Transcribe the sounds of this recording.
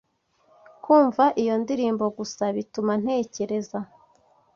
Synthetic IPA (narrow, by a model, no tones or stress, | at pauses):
kuːɱvaʔijo̞ndiɾiːmbo̞ɡusaβituman̥he̞ːce̞ɾe̞za